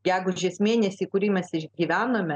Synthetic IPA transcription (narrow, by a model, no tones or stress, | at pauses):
ɡʲæːɡʊʒʲeːsmʲeːnʲɛsʲiːkʊɾʲiːmʲɛsɪʃʲɡʲiːʋʲæːnoːmʲɛ